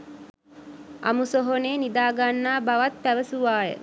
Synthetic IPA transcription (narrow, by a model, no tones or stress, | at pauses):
ʔa̰musoɦoneːnid̪aːɡanːaːbaʋat̪̚pæʋəsuʋaːjə̰